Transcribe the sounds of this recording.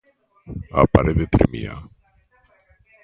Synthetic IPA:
a̰paɾʔeðet̪ɾemḭa̰

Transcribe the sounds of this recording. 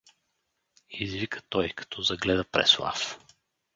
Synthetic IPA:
izvikə̥t̪ɔjkɐ̥t̪ʰɔzɐɡlɛd̪əpɾɛ̰slˠa̰f

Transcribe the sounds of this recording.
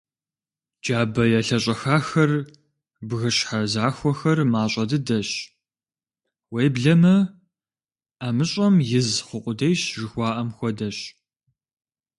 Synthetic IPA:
d͡ʒaːbɐjɛɬɐɕʼɐxaːxɐr | bɣɨɕħazaːxʷɔxɐrmaːɕʼɐdɨdɐɕ | wejbɮɐmɐ | aːmɨɕʼɐmjɪzχʷʊqʷʼʊdɐjɕʐɨxʷɑːʔɐmxʷɔdɐɕ

